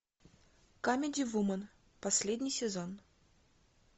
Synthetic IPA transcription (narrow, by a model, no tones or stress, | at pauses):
kamʲɪdʲɪvumən | pɐsʲlʲedʲnʲijsʲɪzon